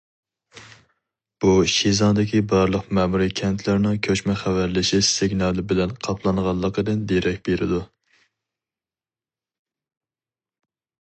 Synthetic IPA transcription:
b̥uʃizɑnd̪ɪkʲibɑɾlˠəqmɛmuɾɨkʲʰɛnt̪ʰlæɾnɪŋkʲʰøt͡ʃmɛχæwæɾlɪʃɪsɪɡʲnɑlˠɨbɪlɛnqʰɑpʰlˠɑnʁɑlˠːəqəd̪ɨnd̪eɾɛk̚ʲbeɾɪ̰d̪u

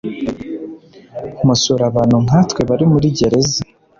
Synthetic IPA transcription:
musuɾaβaːn̥huŋ̥aːtwe̞βaɾimuɾiɟe̞ɾe̞ze

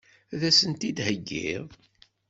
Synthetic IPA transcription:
ðæsənt̪id̪həɡːḭðˤ

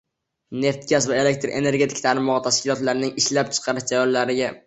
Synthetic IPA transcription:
ne̞ft̪ɡʲasvae̞le̞k̚ʲt̪ɾʔe̞̰ne̞ɾɡʲe̞t̪ʰɪ̥kʰʲt̪ʰaɾɪmɒʁɑt̪ʰaʃkʲɪlˠɒt̪laɾnɪŋɪʃlap̚t͡ʃʰɨ̥qʰɑɾɪʃd͡ʒajɒllaɾɪɡʲa

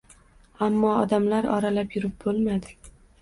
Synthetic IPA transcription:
amːɒɒd̪amlaɾɒ̰ɾalapjʊɾɪp̚bolmad̪ɪ

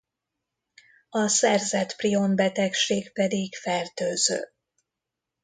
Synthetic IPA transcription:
ɒsɛrzɛt̪priombɛt̪ɛkʃeːkpɛd̪ikfɛrt̪øːzø̰ː

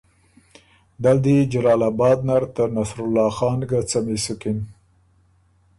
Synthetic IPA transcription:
d̪ald̪id͡ʒalɑːlabɑːd̪̚naɾt̪əɾnasɾʊlːɑːxɑnɡat͡samisukɪn

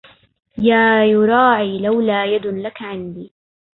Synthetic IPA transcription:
jaːjʊɾˤɑːʕiːlawlaːjad̪lakaʕɪnd̪iː

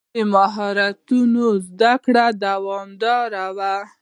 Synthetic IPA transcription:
əmaɦɑɾat̪unozd̪akɽad̪awɑmd̪ɑɾawa

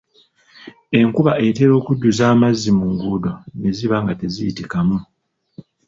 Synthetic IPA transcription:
e̞ŋkuβaete̞ɾo̞ːkuɟːuzaːmazːimuŋɡudo̞ne̞ziβaŋɡate̞zijitikamu

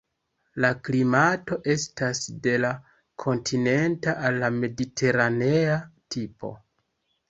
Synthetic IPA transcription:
laklimato̞ʔe̞stasde̞la | kʰo̞ntʰine̞ntaʔalːame̞ditʰe̞ɾane̞atʰipo̞̰

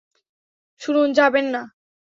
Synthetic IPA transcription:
ʃuɾund͡ʑabenːa

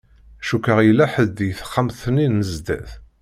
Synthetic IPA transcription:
æʃukəʁjəlːæħəd̪jθə̥χːamθninːəzd̪æ̰θ

